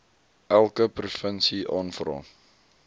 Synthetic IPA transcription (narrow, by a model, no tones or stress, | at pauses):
ʔælˠkəprufənsiʔɑːnfrɑ̰ː